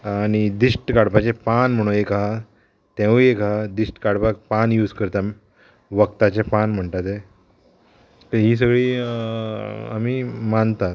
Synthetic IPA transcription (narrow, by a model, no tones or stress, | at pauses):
aɽ̃id̪iʂʈkaɽpat͡ɕepanm̤əɽ̃ũekaa | t̪ẽʋəekad̪iʂʈkaɽpapanjuːd͡zkəɾt̪a | ʋəkt̪at͡ɕepanm̤əɳt̪at̪e | k̪əɦiːs̬əɡɭiː | a̰miːmant̪at̪